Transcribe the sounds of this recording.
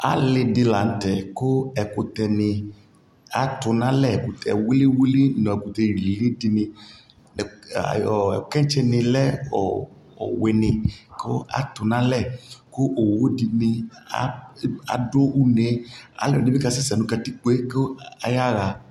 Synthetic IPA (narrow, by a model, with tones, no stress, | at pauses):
a̰˨lɪ˧dɪ˧la˨n̩˦tɛ˨kʊ˦ɛ˨kʊ˨tɛ˨nɪ˧ | a˨tʊ˧nã˦lɛ˦˨kʊ˨tʰɛ̰˨wi˦li˦wi˦li˦˨nɔ̃˨ɛ˨ku˨t̪ɛ˧ɾi˨le˦dɪ˧nɪ̃˧ | nɛ̰˨ | ɛ˨kɛ̃˦n˦t͡ʃɛ˦˧nɪ̃˧lɛ˦ɔ˨ | ɔ̰˨we˨nɪ̃˧kʊ˦a̰˦tʊ˨nã˦lɛ˦˨kʊ˦ʔo˨wo˦di˧nɪ˧a̰˦a̰˨do˦u˦ne˨˦a̰˨lɛ˨ɪ˦bɛ˦ka˧sɛ˦sɛ˨nũ˨ka˧ti˦k͡po˦e˦ko˦a˨ja˦ɾa˨